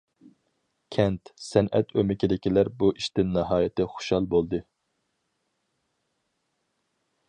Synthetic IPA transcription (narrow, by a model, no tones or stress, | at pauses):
kʲʰɛnt̪sɛnʔɛ̰t̪ʰømɪkʲid̪ɪkʲilæɾbuʔiʃt̪ɪnːɑɦɑːjɪt̪ʰɪχʊ̥ʃhɑlˠbolˠd̪ɨ